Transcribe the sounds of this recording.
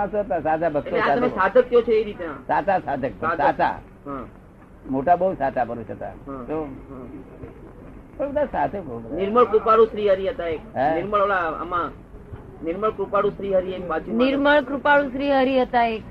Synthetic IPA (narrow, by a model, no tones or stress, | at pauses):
ɦãsoɦət̪asat̪abəkeeaat̪əmẽsad̪ʱəkjot͡ʃʰeeɾit̪nãsat͡ʃasad̪ʱək̚pəasat̪a̰ | ɦã | moʈabəusat̪apəɾuʃət̪a̰ɦãt̪oã | tobəd̪asat̪ʰebəubənɪɾməɭkɾupaɽũsɾiɦəɾiɦət̪aek̚ɦnɪɾməɭʋaɭaə̰mã | nɪɾməɭkɾupaɽũsɾiɦəɾiemat͡ʃinɪɾməɭkɾupaɭũsɾiɦəɾiɦət̪aek